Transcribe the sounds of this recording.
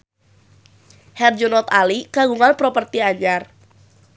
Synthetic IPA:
hɛrd͡ʒɔnɔt̪alikaɡuŋanpɾopərt̪iaɲar

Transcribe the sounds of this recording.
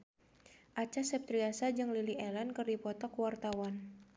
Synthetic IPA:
ʔat͡ʃasɛp̚t̪ɾiasad͡ʒɨŋliliɛlankɨrdipɔt̪ɔkwart̪awan

